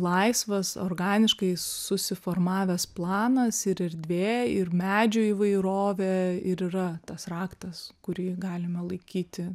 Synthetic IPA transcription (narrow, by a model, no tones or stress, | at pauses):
lˠɐɪsʋɐso̰rɡɑːnʲɪʃkɐɪsʊsʲɪfoːrmɑːʋʲɛsplˠɑːnɐsɪɾɛrʲd̪ʲʋʲeːɪrmʲæːd͡ʒʲoːiːʋɐɪɾoːʋʲɛɪɾiːɾɐt̪ɐsrɑːkt̪ɐskʊɾʲiːɡɑːlʲɪmɐlˠɐɪkʲiːt̪ʲɪ